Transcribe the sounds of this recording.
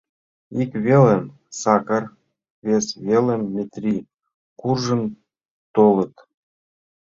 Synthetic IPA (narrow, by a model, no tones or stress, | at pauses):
ikβʲelem | sɑkə̆r | vʲesβelĕmːʲet̪rʲi | kurʒə̆n | t̪olˠɤ̆t̪